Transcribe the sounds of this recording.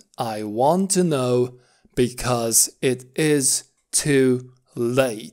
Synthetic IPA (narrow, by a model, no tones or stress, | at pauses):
ʔaɪwɑ̃ntʰɨnoʊ | b̥ɨkʰʌzɪɾɪz̥ | tʰʉ | leɪt̚